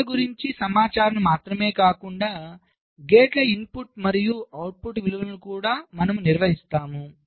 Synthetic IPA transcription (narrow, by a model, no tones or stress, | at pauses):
ɐɡuɾiɲt͡ʃisɐmaːt͡ʃaːɾɐnɐmaːt̪ɾɐme̞ːkaːkuɳɖaː | ɡeːʈlɐimpuʈmɐɾijuɐwʈ̚puʈʋiluʋɐnlukuːɽaːmɐnɐmuniɾʋɐɦist̪aːmu